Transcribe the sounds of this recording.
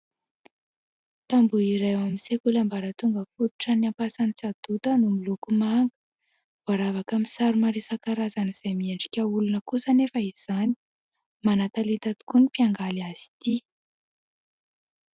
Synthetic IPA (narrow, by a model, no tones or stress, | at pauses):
t̪ambuiɾewamisekulambaɾət̪uŋɡəfut̪u̥ʈ͡ʂəniampasanit͡sad̪̥ut̪ənumilukumaŋɡə̥ | v̥aɾavakamisaɾumaɾesakaɾazaniz̥ejmieɳɖ͡ʐi̥kʲəulunəkusənefəiz̥ani | manat̪alit̪at̪u̥kunipiaŋɡalaz̥i̥t̪i